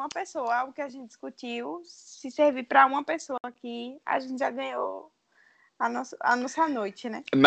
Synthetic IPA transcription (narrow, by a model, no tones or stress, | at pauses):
ũmɐpesoɐawɡʊkɪaʒẽnt̪̚ɪd̪iskutiwsɪseɾvipɾɐũmɐpesoɐkɪa̰ʒẽnt̪ɪʒaɡɐ̃ɲo̰ | anɔsɐa̰nɔsanojt͡ʃɪnɛm